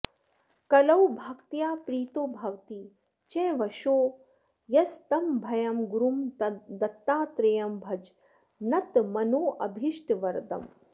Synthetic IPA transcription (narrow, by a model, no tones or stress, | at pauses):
kɐlɐwbʱɐkt̪jaːpɾiːt̪oːbʱɐwt̪i | t͡ʃɛ̃ːʋɐʃoː | jɐst̪ɐmbʱɐjɐmɡuɾumd̪ɐt̪ːaːt̪ɾejɐmbʱɐd͡ʒ | nɐt̪mɐnoːʔɐbʱiʃʈʋɐɾd̪ɐ̰m